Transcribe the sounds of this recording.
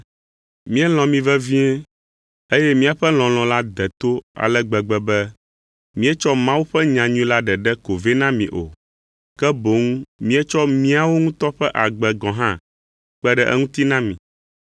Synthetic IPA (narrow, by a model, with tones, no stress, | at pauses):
mĩ˦ɛ˦l̃ɔ̃˨mĩ˨vɛ˦vi˦ɛ˦ | e˦jɛ˦mĩ˦a˨ɸɛ˦l̃ɔ̃˨l̃ɔ̃˨la˦d̪ɛ˨t̪o˦a̰˨lɛ˦ɡ͡bɛ˨ɡ͡bɛ˨bɛ˦ | mĩ˦ɛ˦t͡ʃɔ˦mã˦wu˦ɸɛ˦ɲã˨ɲũ˦ĩ˦la˦ɖɛ˨ɖɛ˦ko˨ve˦nã˦mĩ˨ʔo̰˨ | kɛ˦bo˨˦ŋ˦mĩ˦ɛ˦t͡ʃɔ˦mĩ˦a˨wo˦ŋũ˦t̪ɔ˦ɸɛ˦ʔa˨ɡ͡bɛ˨ɡɔ̃˨ɦã˦ | k͡pɛ˦ɖɛ˦ʔɛ̰˦ŋũ˦t̪i˦nã˦mĩ˨